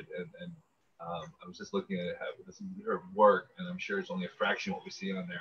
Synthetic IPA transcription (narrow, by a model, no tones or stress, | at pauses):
dɨ̃nɨ̃n | ʌ̃maɪwʌzd͡ʒʌstˡlʊkɪ̃ŋɨɾɨhɛðɨsə˞wɜ˞k̚ɨ̃nãɪ̃mʃʊɹɨtsõʊ̃nliɨfɹækʃɨ̃n̩wʌʔ̚wisiɨ̃nðə˞